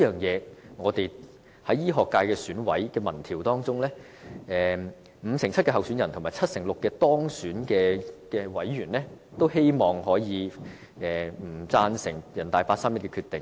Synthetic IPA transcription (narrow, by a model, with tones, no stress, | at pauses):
iː˥jœː˨ŋjɛː˨˧ŋɔː˨˧t̪e˨j | hɐ˨˥jjiː˥ɦɔː˨kːaː˧jkɛː˧syː˨˥nwɐ̰˨˥jkɛː˧mɐ˨˩nt̪ʰiː˨˩wt̪ɔː˥ŋt͡sʊ˥ŋlɛː˥ | ɛː˨ | m̩ː˨˧sɪ˨˩ŋt͡sʰɐ˥t̚kɛː˧ɦɐ˨wsyː˨˥njɐ˨˩nt̪ʰʊ˨˩maː˨˩t͡sʰɐ˥t̚sɪ˨˩ŋlʊ˨kːɛː˧t̪ɔː˥ŋsyː˨˥nkɛː˧kɛː˧wɐ˨˥jɥyː˨˩nlɛ˥ | t̪o˥whe˥jmɔː˨ŋhɔː˨˥jiː˨˧ | ɛː˨m̩˨˩t͡saː˧nsɪ˨˩ŋjɐ˨˩nt̪aː˨jpaː˧t̚saː˥mjɐ˥t̚kɛ˧kʰyː˧t̪ɪ˨ŋ